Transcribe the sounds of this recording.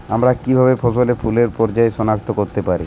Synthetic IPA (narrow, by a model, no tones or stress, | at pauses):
amɾakibʱabefʰoʃolepʰuleɾpɔɾd͡ʑaeʃɔnakt̪okoɾt̪epaɾi